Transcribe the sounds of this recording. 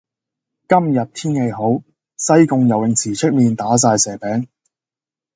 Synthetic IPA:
kɐ˥mjɐ˨t̚t̪ʰiː˥nhe˨˧jɦo˨˥w | sɐ˥jkʊ˨˧ŋjɐ˨wjɪ˨˩ŋt͡sʰiː˨˩t͡ʃʰɪ˥k̚miː˨nt̪aː˨˥s̬aː˧jsɛː˨˩pɛː˨˥ŋ

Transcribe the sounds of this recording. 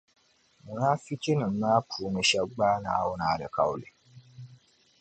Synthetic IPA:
mu˨naː˦fi˦t͡ʃi˦nɨ˨m̩˦maː˦pʰu˨˦mɨ˨ʃɛ˦ɡ͡baː˦na̰ː˨˦wʊ˦naː˨dɨ̰˨ka̰˦wlɨ̰˨

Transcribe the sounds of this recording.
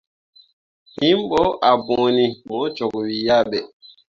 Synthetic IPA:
hĩ˦mɓɔ˦ʔa˨bɔ̃˨ni˨mɔ̃˦t͡ʃɔ˨ɡwi˨ja˦˨ɓɛ˨

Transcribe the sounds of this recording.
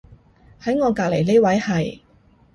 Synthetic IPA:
hɐ˨˥jŋɔː˨˧kaː˧k̚le˨˩jne˥wɐ˨˥jhɐ˨j

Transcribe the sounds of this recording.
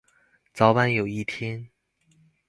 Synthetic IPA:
t͡sɑ˧˥ʊpa˥njo˨˩ʊi˥˧t̪ʰjɛ˥n

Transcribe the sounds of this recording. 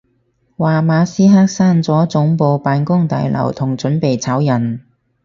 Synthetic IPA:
waː˨maː˨˧siː˥ɦaː˥k̚saː˥nt͡sɔː˨˥t͡sʊ˨˥ŋpo˧wpaː˨˧nkʊ˥ŋt̪a̰ː˨˧jlɐ̰˨˩wt̪ʰʊ˨˩ŋt͡sɵ˨˥npe˨jt͡sʰɐ˨˥wjɐ˨˩n

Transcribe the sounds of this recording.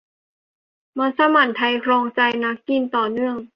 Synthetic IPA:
maː˧˥nsa˧ma˨˩nt̪ʰa˧jkʰɾɔː˧ŋt͡ɕa˧jna˦˥kːi˧˨nt̪ɔː˨˩nɯ˥˩əŋ

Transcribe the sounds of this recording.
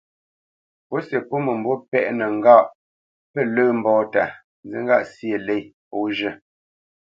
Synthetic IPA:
po˨˦se˨po˦mə˨m̩˨bo˦pɛ˦˨ʔnə˨ŋ̩˦ɡa˦˨ʔ | pə˦˨ləː˦m̩˦bɔː˦ta˨ | n˦d͡zi˦ŋ˦ɡa˦˨ʔsje˨le˦˨po˨˦ʒə˦˨

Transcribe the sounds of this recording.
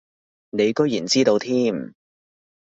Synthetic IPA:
ne˨˧jkɵ˥jiː˨˩nt͡siː˥t̪o˧wt̪ʰiː˥m

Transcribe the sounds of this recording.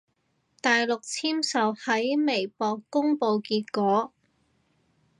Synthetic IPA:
t̪aː˨jlʊ˨k̚t͡sʰiː˥msɐ˨whɐ˨˥jme˨˩jpɔː˨˧kːʊ˥ŋpo˧wkiː˧t̚kɔː˨˥

